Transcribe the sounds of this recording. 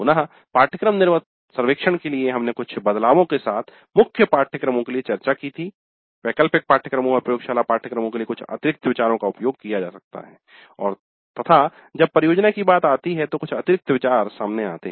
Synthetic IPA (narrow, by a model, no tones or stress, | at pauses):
ʊnaɦ | paːɾʈʰəkɾəmnɪɾmət̪ | sɐɾʋeːkʃəɽ̃kelieɦɐmnekʊt͡ʃʰbɐd̪laːʋõkesaːt̪ʰ | mʊkʰjəpaːɾʈʰəkɾəmõkeliet͡ʃɐɾt͡ʃakit̪ʰi | pɛːkəlpɪk̚paːɾʈʰəkɾəmõkɐɾpɾɐjoːɡʃaːlapaːɾʈʰəkɾəmõkeliekʊt͡ʃʰɐ̰t̪ɪɾɪk̚t̪əʋɪt͡ʃaːɾõkaʊpjoːɡ̚kijad͡ʒa̰ːsɐk̚t̪a̰ɦɛː | ɔːɾ | t̪ɐt̪ʰa | d͡ʒɐb̚pɐɾɪjoːd͡ʒnakibaːt̪aːt̪iɦɛt̪okʊt͡ʃʰɐt̪ɪɾɪk̚t̪əʋɪt͡ʃaːɾsaːmneaːt̪ḛɦ